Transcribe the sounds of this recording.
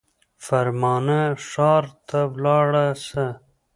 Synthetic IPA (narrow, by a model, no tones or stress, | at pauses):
fɐɾmɑːnaʂɑːɾt̪ʰawlɑːɽasa